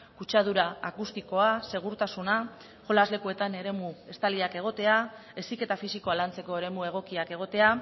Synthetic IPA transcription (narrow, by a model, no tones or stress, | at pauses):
kut͡ʃað̞uɾaakust̪iko̞ase̞ɣ̞uɾt̪asuna | ʝo̞lazle̞kue̞t̪ane̞ɾe̞mue̞st̪aliake̞ɣ̞o̞t̪e̞ae̞sike̞t̪afisiko̞alant͡se̞ko̞e̞ɾe̞mue̞ɣ̞o̞kiake̞ɣ̞o̞t̪e̞a